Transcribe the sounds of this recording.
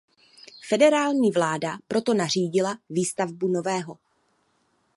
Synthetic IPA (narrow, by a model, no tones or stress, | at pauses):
fɛdɛɾaːlɲiːvlaːdapɾo̞t̪o̞nar̝iːɟɪlaviːst̪avbuno̞vɛːɦo̞